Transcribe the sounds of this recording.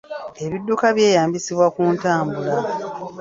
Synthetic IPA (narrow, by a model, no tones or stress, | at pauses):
e̞βidːukaβje̞ːjaːmbisiβwakuːntaːmbula